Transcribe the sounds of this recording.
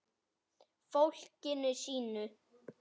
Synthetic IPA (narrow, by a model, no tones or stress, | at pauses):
fowl̥cɪnʏsiːnʏ